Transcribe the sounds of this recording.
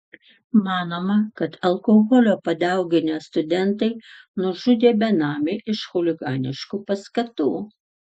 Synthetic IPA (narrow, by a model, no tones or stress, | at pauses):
mɑːnoːmɐkɐt̪ɐlˠkoːɣɔlʲoːpɐd̪ʲɛˑʊɡʲɪnʲɛst̪ʊd̪ʲɛnt̪ɐɪ | nʊʒʊd̪ʲeːbʲɛnɑːmʲeʔɪʃxʊlʲɪɡɑːnʲɪʃkuːpɐskɐt̪uː